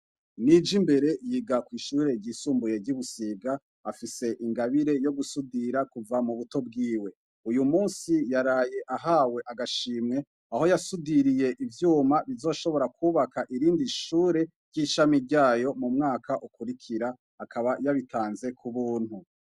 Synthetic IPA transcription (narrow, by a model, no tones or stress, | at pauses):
nid͡ʒimbe̞ɾe̞jiːɡakwiːʃuːɾe̞ɟiːsuːmbuje̞ɾɟiβusiɡaː | fise̞ʔiŋɡaβiɾe̞jo̞ɡusudiɾakuvamuβuto̞b̚ɡiːwe̞ | ujumuːnsijaɾaːje̞ʔaɦaːwe̞ʔaɡaʃiːmŋe̞ | aho̞jasudiɾije̞ʔivjuːmaβizo̞ːʃo̞βo̞ɾakʰuβakaʔiɾiːndiʃuːɾe̞ | ɾɟ̥iːʃamiɾɟaːjo̞mumŋaːkaʔukuɾikʰiɾaː | kʰaβajaβitʰaːnze̞kʰuβuːn̥hu